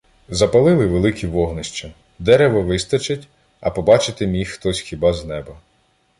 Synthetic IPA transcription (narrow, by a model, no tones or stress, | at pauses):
zɐpɐlˠɪlˠɪʋelˠɪkʰʲiʋɔɦnɐʃt͡ʃɐ | d̪ɛɾeʋɔʋɪst̪ɐt͡ʃɐtʲ | ɐpɔbɑt͡ʃɪt̪ɪmʲixxt̪ɔsʲxʲibɑznɛbɐ